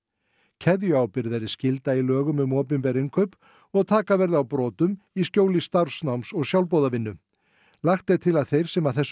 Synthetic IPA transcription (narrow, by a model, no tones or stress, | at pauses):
cʰɛðjʏawpɪɾðvɛɾðɪscɪlt̪ailœːɣʏmʏmɔːp̬ɪmpɛɾɪŋkʰœːp | ɔɣt̪ʰaːkavɛɾðɪawpɾɔːt̪ʏm | iscoːwlɪst̪aɾ̥snawmsɔɣsjawlp̬owðavɪnːʏ | laxt̪ejt̪ʰɪlaðθejɾ̥sɛmaðθɛsː